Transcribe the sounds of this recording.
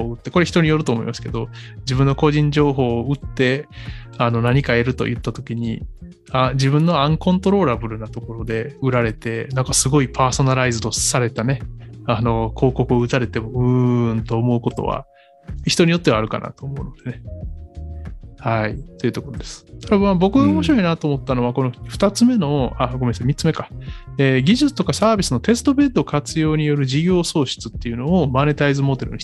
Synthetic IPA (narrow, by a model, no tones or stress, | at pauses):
oɯ̟t̪ːe̞koɾe̞çi̥t̪o̞ɲ̟ijo̞ɾɯ̟t̪oːmo̞ḭmasɨ̥ke̞d̪o̞d͡ʑibɯ̃nːo̞ko̞ʑĩɲ̟d͡ʑo̞ːɦo̞ːɯ̟t̪ːe̞ | ano̞naɲ̟ikae̞ɾɯ̟t̪o̞̰jɯ̟t̪ːat̪o̞kʲiɲ̟i | ad͡ʑibɯ̟̃nːo̞ãŋkõnt̪o̞ɾo̞ːɾabɯ̟ɾɯ̟nat̪o̞ko̞ɾo̞d̪e̞ɯ̟ɾaɾe̞t̪e̞nãŋkasɨɡo̞ipʰaːso̞naɾaizɨt̪o̞saɾe̞t̪ane̞ano̞kʰo̞ːko̞kɯ̟o̞ɯ̟t̪aɾe̞t̪e̞moɯ̟nt̪o̞ːmo̞ɯ̟ko̞t̪o̞̰βa̰ | çi̥t̪o̞ɲ̟ijo̞t̪ːe̞βaɾɯ̟ka̰na̰t̪o̞ːmo̞ɯ̟no̞d̪̥e̞ne̞ | hait̪oiɯ̟t̪o̞ko̞ɾod̪e̞sɨ̥t̪ʰaɾamabo̞kɯɡaomo̞ɕiɾo̞inat̪o̞ːmo̞t̪ːano̞βako̞noɸɯ̟̥t̪at͡sɨme̞no̞aɡomesemʲitt͡sːɨme̞kaeɡʲiʑɨt͡sɨ̥t̪okasaːbʲisɨnot̪e̞sɨ̥t̪o̞be̞d̪o̞kat͡sɨjo̞ːɲ̟ijo̞ɾɯ̟ʑiɡʲo̞ːso̞ːɕɨ̥t͡sɨ̥t̪ːe̞jɯ̟no̞omane̞t̪aizɨmo̞d̪e̞ɾɯ̟̰ɲʲi